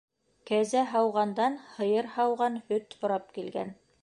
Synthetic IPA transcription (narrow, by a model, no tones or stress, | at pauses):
kæzæɦɑwʁɑnd̪ɑnhɤ̆jɤɾhɑwʁɑnhɵt̪hŏɾɑp̚kilɡæ̰n